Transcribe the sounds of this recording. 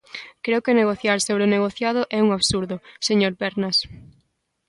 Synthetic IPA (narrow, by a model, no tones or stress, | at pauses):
kɾeokeneɣ̞oθjaɾsoβɾeoneɣoθjað̞ʊʔɛuŋaβsuɾðʊseɲoɾpɛɾnas